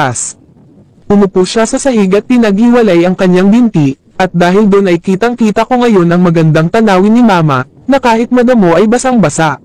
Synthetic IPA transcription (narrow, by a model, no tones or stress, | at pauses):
s | ʔʊmʊpuʃasɐsɐhɪɡɐt̪̚pɪnɐɡ̚hɪwɐlajɐŋkɐɲaŋbɪnt̪i | ʔɐt̪̚d̪aːɦɪld̪onʔɐjkiːt̪ɐŋkiːt̪ɐko̞ŋɐjo̞nʔɐŋmɐɡɐnd̪aŋt̪ɐnaːwɪnɪmaːmɐ̰ | nɐkaːhɪt̪̚mɐd̪ɐmo̞ʔɐjbɐsaŋbɐsaʔ